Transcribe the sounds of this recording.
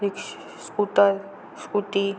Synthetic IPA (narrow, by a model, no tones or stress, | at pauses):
ɾik | skut̪a | skut̪i